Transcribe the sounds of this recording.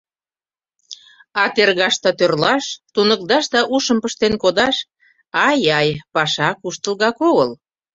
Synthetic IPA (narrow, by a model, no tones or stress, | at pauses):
ɑt̪erɣɑʃt̪ɑt̪ørlɑʃt̪unək̚d̪ɑʃd̪ɑʔuʃəmpəʃt̪enkod̪ɑʃ | ɑjɑjpɑʃɑkuʃt̪əlɣɑkoɣəl